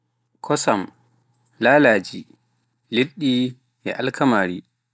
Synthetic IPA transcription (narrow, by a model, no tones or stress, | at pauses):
kʰɔsam | lalaːd͡ʒi | leɗːi | ʔɛ̰ʔalkʰamaːɾi